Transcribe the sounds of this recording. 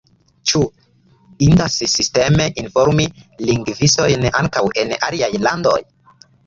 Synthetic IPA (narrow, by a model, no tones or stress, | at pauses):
t͡ʃu | intasisiste̞me̞ʔinfo̞ɾmiliŋɡviso̞jna̰ŋkawʔe̞na̰liajlando̞̰j